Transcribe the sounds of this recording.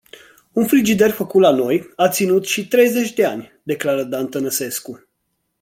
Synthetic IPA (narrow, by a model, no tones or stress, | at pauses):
unfɾid͡ʒid̪erfəkut̪lano̞jat̪sinut̪ʃit̪ɾe̞jze̞t͡ʃʲd̪e̞anʲd̪e̞klaɾəd̪ant̪ənəse̞sku